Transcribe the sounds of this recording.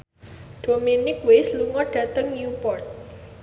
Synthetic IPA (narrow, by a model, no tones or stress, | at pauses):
d̥ominɪkwesluŋɔɖ̥ä̤t̪əŋnjupɔrt̪̚